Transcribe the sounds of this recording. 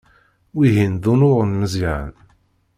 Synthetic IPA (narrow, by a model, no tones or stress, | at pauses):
wiɦind̪unʊʁˤənməziʕə̰n